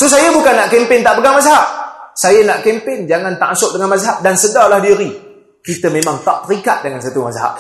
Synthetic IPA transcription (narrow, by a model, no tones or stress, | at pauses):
sus̬ajabukanːaʔkempɪnt̪aʔpəɡaŋmasaɦaʔ̚sajanaʔkempɪnd͡ʒaŋant̪aʔasʊk̚dəŋanmasaɦap̚dansədalahdiɾi | kit̪əmemaŋt̪aʔt̪əɾikat̪̚dəŋansat̪umasaɦa̰ʔ̚